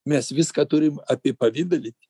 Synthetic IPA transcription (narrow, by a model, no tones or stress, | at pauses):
mʲɛsʋʲɪskɐt̪ʊɾʲɪmɐpʲɪpɐʋʲiːd̪ɐlʲɪt̪ʲ